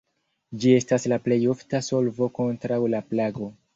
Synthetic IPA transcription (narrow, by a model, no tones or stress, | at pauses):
d͡ʒie̞staslaple̞jo̞ftaso̞lvo̞ko̞ntɾawlaplaɡo̞